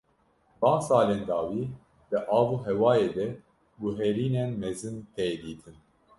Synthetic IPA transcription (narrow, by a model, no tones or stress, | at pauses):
bɑ̃ːnsɑːleːnd̪ɑːwiː | d̪̥ɨʔɑːvuːɦɛwɑːjeːd̪ɛ | ɡuɦɛɾiːnenmɛzɨnt̪ʰɛjd̪iːt̪ʰɨn